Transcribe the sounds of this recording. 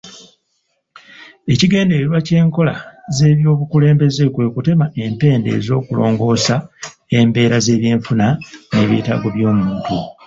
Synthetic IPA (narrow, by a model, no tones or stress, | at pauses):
e̞ciɡe̞ːnde̞ɾeɾwace̞ːŋko̞laze̞ːβjo̞ːβukule̞ːmbe̞zekwe̞ːkute̞maʔe̞mpe̞ːnde̞̰ːzo̞ːkulo̞ːŋɡo̞ːsa | e̞mbe̞ːɾaze̞ːβje̞ːɱfunaneβḭta̰ːɡo̞βjo̞ːmuːntu